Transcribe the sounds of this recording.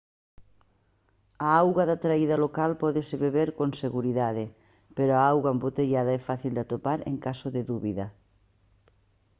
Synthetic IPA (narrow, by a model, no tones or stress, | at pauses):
aawɣwaðat̪ɾaiðalokalpɔðɪseβeβeɾkoŋseɣuɾiðaðɪ | peɾoaawɣwaembot̪eʎaðaɛfaθild̪at̪opaɾḛŋkasoðɪðuβiðɐ